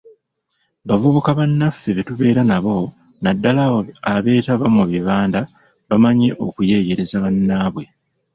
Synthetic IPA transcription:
βavuβukaβanːafeβetuβe̞ːɾanaβo̞ | nadːalaaβe̞ːtaβamuβjeβaːnda | βamaɲe̞ʔo̞̰kuje̞ːje̞ɾe̞zaβanːaːβwe̞

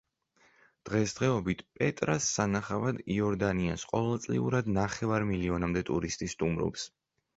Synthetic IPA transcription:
d̪̥ʁɛsd̪̥ʁɛɔbit̪ʰpʼɛt̪ʼɾasːanaχavad̪iɔɾd̪ania̰sqʼɔvɛlˠt̪sʼlḭuɾad̪naχɛvaɾmiliɔnamd̪ɛt̪ʼuɾist̪ʼist̪ʼumɾɔ̰ps

